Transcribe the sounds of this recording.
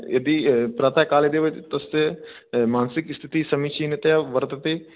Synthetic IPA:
ḛd̪iːpɾaːt̪aːkaːled̪eːʋɪt͡ʃt̪əs | maːnsɪkɪst̪ʰɪt̪iːsəmiːt͡ʃiːnt̪jaːʋəɾt̪ət̪eː

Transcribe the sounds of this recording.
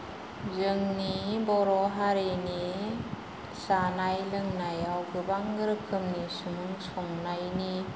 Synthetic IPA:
zɯŋnibɔɾɔɦaɾeni | sanajlɯŋnajawɡɯbaŋɡɯɾɯkʰɯmnisumɯŋsɔŋnajni

